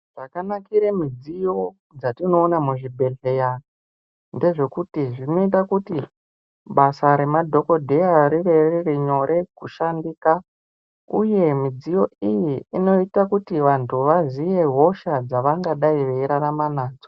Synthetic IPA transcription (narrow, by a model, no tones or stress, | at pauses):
ʐ̥akanakiɾemid͡zijo̞ | d͡zatino̞ːnamuʐibʱe̞ɮe̞ja | nde̞ʐe̞kutiʐino̞it̬akuti | ɓasaɾe̞madʱo̞ko̞dʱe̞jaɾiʋe̞ririɲo̞ɾʔe̞kuʃandiːka | uje̞mid͡zijo̞ijiːno̞itakutiʋantʰuʋazije̞ɦo̞ʃad͡zaʋaŋɡaɗaiʋeiɾanamanaːd͡zo